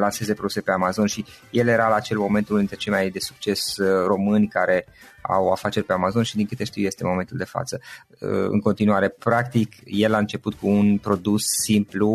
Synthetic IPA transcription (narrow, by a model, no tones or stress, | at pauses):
lanse̞zepɾo̞d̪use̞pe̞amazo̞nʃi | je̞le̞ɾalaːt͡ʃe̞lmo̞me̞nt̪uld̪int̪ɾet͡ʃe̞lmajd̪e̞su̥k̚t͡ʃe̞sro̞mɨnʲkaɾe̞ | a̰wa̰fat͡ʃe̞rʲpe̞amazo̞nʃid̪iŋkɨt̪e̞ʃt̪iwje̞st̪e̞mo̞ment̪uld̪e̞fa̰t̪sə | ɨ̰ŋko̞nt̪inuaɾe̞pɾakt̪ikje̞laɨnt͡ʃe̞put̪̚kuːnpɾo̞d̪usːimplu